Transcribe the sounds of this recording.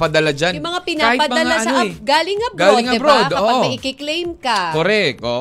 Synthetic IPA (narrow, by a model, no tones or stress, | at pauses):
pɐd̪ɐlad͡ʒanjmɐŋapɪnaːhpɐdmɐɐŋalasɐɐɡaːlɪŋɐbɡaːolɪd̪ŋɐbɾod̪ɐoːɐmɪkɪklejmkɐkoɾɛko